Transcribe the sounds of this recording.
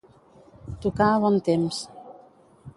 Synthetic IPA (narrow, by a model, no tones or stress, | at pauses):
t̪ukaβɔnt̪ems